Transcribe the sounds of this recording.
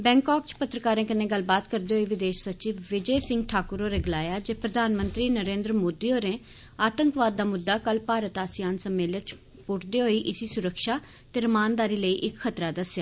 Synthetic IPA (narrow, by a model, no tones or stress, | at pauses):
bɛ̃ːŋkɔːk̚t͡ʃpət̪ɾəkaːɾẽːkɪnẽːɡəlbaːt̪kəɾd̪eːɦoiːʋɪd̪eːʃsət͡ʃiʋʋɪd͡ʒəsɪ̃ŋɡʈʰaːkʊɾoːɾeːɡʊlaːjaːd͡ʒeːpɾəd̪aːnmə̃nt̪ɾiːnəɾẽːnd̪ɾmoːd̪iːoːɾẽː | aːt̪əŋkʋaːd̪̚ːaːmʊd̪ːaːkəlpaːɾət̪aːsɪjaːnsəmːeːlət͡ʃ | pʊʈʰd̪eːɦoːiːʔɪsiːsʊɾəkʃaː | t̪eːɾəmaːnd̪aːɾiːləiːʔɪkxʰət̪ɾaːd̪əsjaː